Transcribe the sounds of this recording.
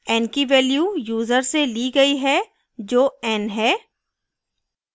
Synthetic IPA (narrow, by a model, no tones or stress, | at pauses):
ɛːnkiʋɛːljuːjuːzəɾseliːɡɐiɦɛː | d͡ʒoːɛːnɦɛː